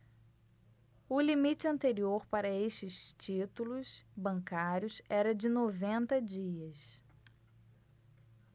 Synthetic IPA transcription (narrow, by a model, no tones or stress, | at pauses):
ʊlimit͡ʃɪɐ̃nt̪eɾioɾpaɾɐeʃt͡ʃɪst͡ʃit̪ulʊsbɐ̃ŋkaɾjʊsɛɾɐd͡ʒɪnovẽnt̪ɐd͡ʒiɐs